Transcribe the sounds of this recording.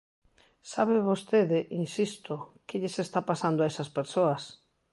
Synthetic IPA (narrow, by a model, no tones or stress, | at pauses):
saβeβost̪eðɪʔinsist̪okɪʎɪsest̪apasand̪ʊaesɐspeɾsoɐs